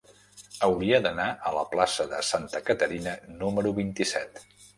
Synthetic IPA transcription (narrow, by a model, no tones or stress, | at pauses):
əwɾiəd̪ənaʔələplasəðə̰sant̪əkət̪əɾinənuməɾuβint̪isɛt̪